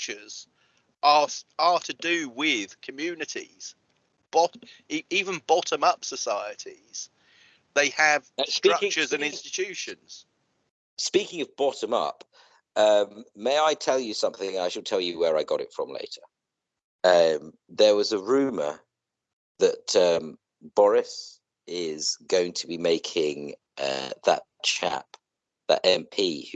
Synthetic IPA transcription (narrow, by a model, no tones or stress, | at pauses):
t͡ʃəz̥ | ʔəətʰədəwɪð̥kʰəmjʉːnɪtʰḭz̥ | b̥ɒiiːvə̃nbɒtʰə̃mʌpsəsaɪətʰiz̥ | ðeɪəv̥stɹ̥ʌk̚t͡ʃəzə̃nɪ̃nstɪt͡ʃʰʉˑʃə̃nz̥ | spiˑkɪ̃ŋəvbɒtə̃mʌ̰p | ʌ̃mːeɪaɪtʰɛlˠjəsʌ̃mθɪ̃ŋnaɪʃəlˠtʰɛlˠjəwəɹaɪɡɒɾɪ̰tfɹə̃mlḛɪtʰə | ʌ̃m | ðəwɒzəɹʉːmə̰ | ðətʌ̃m | b̥ɒɹɪs | ɪz̥ɡəʊɪ̃ŋtʰəbimeɪkʰɪ̃ŋ | ʌ̰ðə̰tt͡ʃʰa̰p | ðə̰tɛ̃mpʰiː